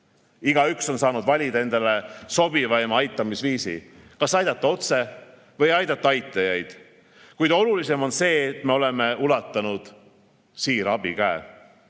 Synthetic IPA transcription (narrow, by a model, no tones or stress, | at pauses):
iɡɑykso̞nsɑːnud̪̥vɑlʲid̪ɑe̞nd̪̥ɑleso̞b̥ivɑemɑjt̪ˑːɑmisviːsḭ | kɑsɑjd̪̥ɑt̪ˑːɑo̞t̪se | vɤjɑjd̪ɑt̪ːˑɑɑjt̪ːˑɑjɑjd̪̥ | kujd̪̥o̞lulise̞mo̞nse̞ːt̪me̞o̞le̞me̞ulɑt̪ːˑɑnud̪̥ | siːɾɑb̥ikæe